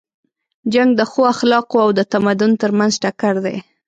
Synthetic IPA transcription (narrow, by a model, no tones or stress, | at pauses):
d͡ʒaŋɡ̚d̪əxoaxlɑqoawd̪ət̪amad̪ʊnt̪əɾmanzʈakaɽd̪ḛ